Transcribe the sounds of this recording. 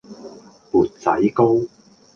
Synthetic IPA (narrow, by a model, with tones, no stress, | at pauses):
puː˨t̚t͡sɐ̰˨˥jko˥w